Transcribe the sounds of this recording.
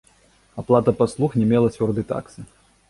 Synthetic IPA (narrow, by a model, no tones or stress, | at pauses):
aplˠat̪ɐpaslˠuxnʲɛmʲɛlˠɐt͡sʲvʲɔrd̪ɨjt̪a̰ksɨ